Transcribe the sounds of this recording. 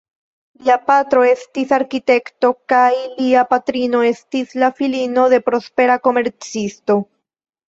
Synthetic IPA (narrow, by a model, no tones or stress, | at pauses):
liapat̪ɾo̞e̞stisaɾkit̪e̞kto̞kajliapat̪ɾino̞e̞stislafilino̞ðe̞pɾo̞spe̞ɾako̞me̞ɾt͡sisto̞